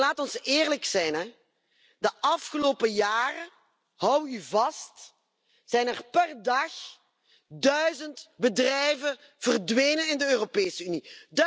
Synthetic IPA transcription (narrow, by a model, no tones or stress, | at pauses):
laːtɔnsɪːrləksɛjnɛ | dəʔɑfxəloːpəjaːrə | hɔwyvɑst | z̥ɛjnɛrpɛrdɑx | dœɥzəntbədrɛjvə | v̥ərdʋeːjnənɪndəøːropeːsəynid